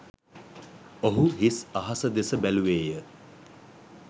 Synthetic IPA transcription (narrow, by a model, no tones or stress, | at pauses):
oɦuɦisaɦasəd̪esəbæluʋeːjə